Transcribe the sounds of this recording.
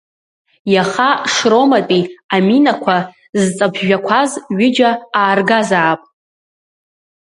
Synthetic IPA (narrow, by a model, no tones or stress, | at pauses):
jaχaʂro̞matʼiaminakʷʰa | zt͡sʼabʰʒᶣakʷʰazɥɪd͡ʒaaːrɡazaːpʼ